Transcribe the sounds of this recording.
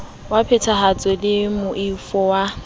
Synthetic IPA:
wapʰɛtʰaɦat͡sʼwɛlɪmʊʔifɔwa

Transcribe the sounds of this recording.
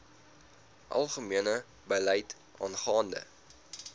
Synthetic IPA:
ʔɐ̰lˠχəmiənə | bəlɛjt | ɑ̰ːnχɑːndə̰

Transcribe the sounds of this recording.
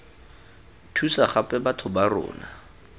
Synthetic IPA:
tʰusaχapʼɛbatʰʊbarɔ̰ːna

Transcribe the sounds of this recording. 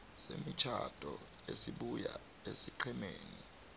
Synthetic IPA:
semit͡ʃʰad̥ʱʼɔ | esiɓuja | esiǃʰɛmeːni

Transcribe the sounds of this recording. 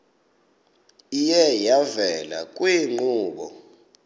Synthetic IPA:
ijɛjavɛla̰kʼwiŋ͡ǃuːɓɔ̰

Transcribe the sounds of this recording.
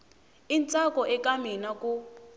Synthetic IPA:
int͡sʼakʼɔʔɛkʼaminakʼu

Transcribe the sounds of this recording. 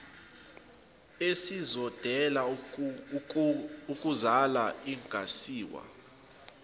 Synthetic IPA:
esizɔd̥ʱɛla | ukʼuzalaiŋɡʱʼasiːwa̰

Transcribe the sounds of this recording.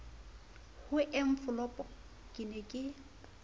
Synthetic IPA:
hʊʔɛɱ̩fʊlɔpʼɔ | kʼɪnɛkʼɪ

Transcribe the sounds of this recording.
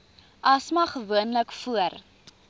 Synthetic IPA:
ʔɐsmɐχəvuənləkfuər

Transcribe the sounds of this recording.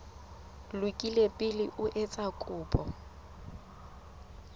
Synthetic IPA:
lwɪkʼilepʼɪlɪʔʊʔɛt͡sʼakʼʊːpʼɔ

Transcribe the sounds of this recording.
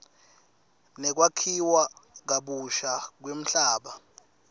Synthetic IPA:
nɛk̬wakʰiwak̬aɓuʃak̬wem̩ɬaːɓa

